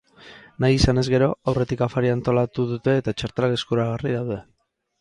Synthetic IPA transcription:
najisane̞zɣe̞ɾo̞awre̞t̪ikafaɾiant̪o̞lat̪uðut̪e̞ːt̪at͡ʃaɾt̪alakeskuɾaɣ̞ariðawðe̞

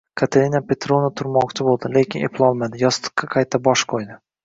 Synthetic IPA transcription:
kʰat̪ʰeɾʲinapʲe̞t̪ɾonat̪ʰʊɾmɒqt͡ʃʰɪbolˠd̪ɪle̞kʲʰɪnḛpʰlˠɒlˠmad̪ɪjɒst̪ɨ̥qːɑqʰajt̪ʰːabɒʃqʰojd̪ɪ

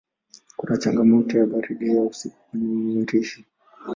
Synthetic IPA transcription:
kunat͡ʃaŋɡamɔtɔjaɓaɾiɗiausikunimiɾiʃi

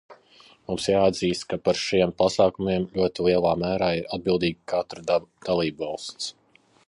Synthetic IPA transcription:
mumsjaːd̪ziːst̪kapaɾʃiɛmpasaːkumiɛmʎʲuɔt̪ilˠiɛlˠaːmæːɾaːiɾad̪̚bilˠd̪iːɡkat̪ɾad̪̥alˠiːbvɑlˠst̪s

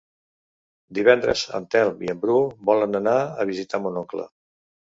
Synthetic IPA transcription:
d̪iβɛnd̪ɾə̰zə̰nt̪ɛlˠmiəmbɾubɔlənənaəβizit̪amunɔklə̰

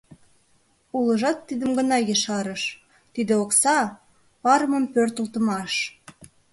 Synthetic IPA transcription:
ulə̆ʒɑt̪ːid̪əmɡə̆nɑjəʃɑɾəʃ | t̪id̪eoksɑ | pɑɾəmə̆mpørt̪ə̆lt̪ə̆mɑʃ

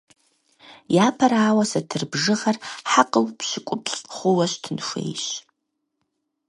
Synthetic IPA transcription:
jaːpʰaɾaːwasatʰɨrbʐɨʁarħaqʼəwpʰʃɪkʷʼʊpʰɬʼχʷʊwaʃtʰɨnʂḛjɕ

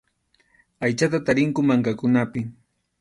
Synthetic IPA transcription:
ajt͡ʃat̪̬at̪aɾɪŋkʊmaŋkakʊnapɪ

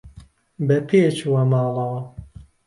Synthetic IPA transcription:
bɐpʰeːt͡ʃwɐmɑːlɐwɐ

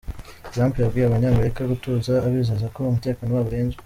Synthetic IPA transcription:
zaːmpijabɡiːjaβaɲamaɾekaɡutuzaːβizazako̞umute̞ːkanowaβuɾe̞ːɲze

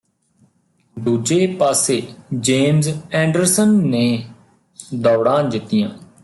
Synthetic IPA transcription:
d̪uːd͡ʒeːpaːseːd͡ʒeːmzɛ̃ːɳɖəɾsənːeː | d̪ɔːɽãːd͡ʒ̪ɪt̪ːɪjãː

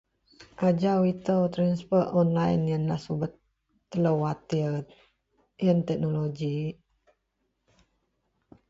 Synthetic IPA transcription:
ʔad͡ʒawit̪əwt̪ɾanspətɔnlajnjənlasubət̪ː | ələwat̪i | jənt̪ɛk̚noloɡi

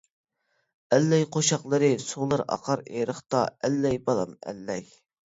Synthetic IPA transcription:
ɛlːɛjqʰoʃɑqlˠɨɾɨsulˠɑɾɑ̰qʰɑɾeɾəχt̪ɑ̰ɛlːɛjbɑlˠɑ̰mɛ̰lːɛj

